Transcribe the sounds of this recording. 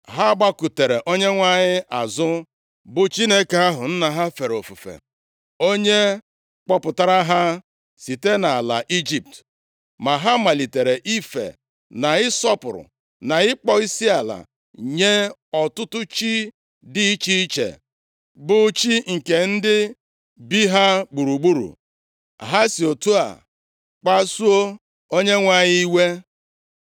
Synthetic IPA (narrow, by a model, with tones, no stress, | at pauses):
ɦa˦ɡ͡ba˦ku˨te˨ɾe˨ʔo˦ɲe˦ŋʷa˦ɲɪ˦ʔa˨zʊ˦ | bʊ˨t͡ʃi˦ne˦ka˨a˦ɦʊ˨n̩˦na˨ɦa˦fe˨ɾo˨fu˨fḛ˨ | o˦ɲe˦ | k͡pɔ˦pʊ˨ta˦ɾa˦ɦa˦ | si˨te˦na˨a˨la̰˨ʔi˦d͡ʒi˨p̚t | ma˨ɦa˦ma˨li˨te˨ɾe˨ʔi˦fḛ˨ | na˨ɪ˦sɔ˦pʊ˨ɾʊ̰˨ | na˨ɪ˦k͡pɔ˦i˦si˦a˨la̰˨ | ɲe˦ɔ˨tʊ˦tʊ˦t͡ʃi˦ | di˦i˦t͡ʃi˦i˦t͡ʃḛ˨ | bʊ˨˦t͡ʃi˦ŋ̩˨ke˨n̩˦dɪ˦ | bi˦ɦa˦ɡ͡bu˨ɾu˨ɡ͡bu˦ɾṵ˨ | ɦa˦si˨o˨tu˦a̰˨ | k͡pa˦su˦o˦ | o˦ɲe˦ŋʷa˦ɲɪ˦i˦we˦